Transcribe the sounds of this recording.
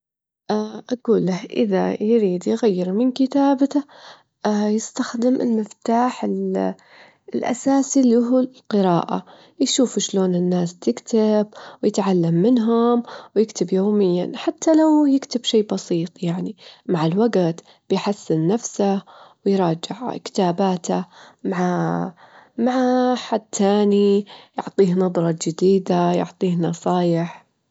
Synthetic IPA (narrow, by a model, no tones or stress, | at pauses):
ʔaʔaɡuːlːahʔɪðajɾiːd̪jɣajːɪɾmɪnkɪt̪aːbt̪a | jɪst̪axd̪ɪmʔɪ̰lmɪft̪aːħɪl | lʔa̰saːsilɪɦulqɨɾɑːʔa̰ | jʃuːfuʃloːnɪnːaːst̪ɪkt̪ab̚wjɪt̪ʕalːamːɪnɦʊmwjɪkt̪ɪbjoːmɪjːa̰nħat̪ːalawjɪkt̪ɪbʃeːbɑsiːt̪ˤjaʕnimaʕalwaɡt̪ | b̥ɪjħasːɪnːafsawɪjɾˤɑːd͡ʒɪʕkɪ̥t̪aːbaːt̪ʰamaʕa | maʕaħad̪̚t̪ʰaːnijʊʕt̪ˤiːhnɑðˤɾˤɑd͡ʒɪd̪iːd̪ajʊ̰ʕt̪ˤiːhnɑsˤɑːjɪħ